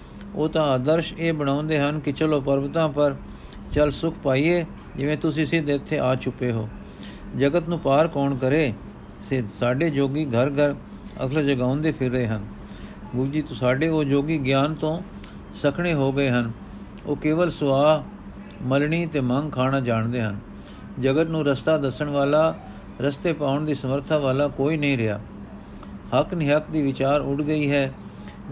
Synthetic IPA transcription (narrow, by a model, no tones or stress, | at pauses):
oːt̪ãːaːd̪əɾʃeːbəɽ̃ãːʊ̃nd̪eːɦənkɪt͡ʃəloːpəɾbət̪ãːpəɾ | t͡ʃəlsʊkʰpaːiːeː | d͡ʒɪʋẽːt̪ʊsĩːsɪd̪ɪt̪ʰːeːʔaːt͡ʃʰʊpːeːɦo̰ː | d͡ʒəɡət̪nũːpaːɾkɔːnkəɾeː | sɪd̪saːɖeːd͡ʒoːɡiːɡʱəɾɡʱəɾ | ə̰kʰld͡ʒəɡaːʊ̃nd̪eːpʰɪɾːəeːɦən | bʊd͡ʒiːt̪ːsaːɖeːoːd͡ʒoːɡiːɡjaːnt̪õː | səkʰɽ̃eːɦoːɡəeːɦən | o̰ːkeːʋəlsʊaːɦ | məlɳiːt̪eːməŋɡkʰaːɽaːd͡ʒaːɳd̪eːɦən | d͡ʒəɡət̪nũːɾəst̪aːd̪əsəɳʋaːlaː | ɾəst̪eːpaːʊɳd̪iːsəməɾt̪ʰaːʋaːlaːkoːiːnəĩːɾɪa̰ː | həknɪɦəkd̪iːʋɪt͡ʃaːɾʊʈɡəiːɦɛː